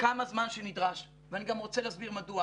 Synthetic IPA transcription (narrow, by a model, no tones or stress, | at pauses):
kamazmanʃenidʁaʃ | veaniɡamʁo̞t͡seleasbiʁmadua